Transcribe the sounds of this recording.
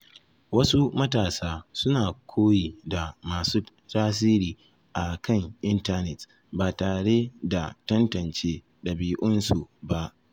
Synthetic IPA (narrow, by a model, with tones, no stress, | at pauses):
wɐ˦su˦mɐ˦taː˨saː˦sʊ˦naː˨kʷʰoː˦jiː˨da˨maː˨suː˦ | taː˦s̬iː˦ɾiː˨ | ʔa˨kɐ˦ŋʔɪ˦nta˦nɛ˨t | baː˨taː˨ɽe˦da˨tɐ˦ntɐ˨nt͡ʃeː˦ | ɗɐ˨biː˦ʔʊ˦nsu˨ba˨ʔ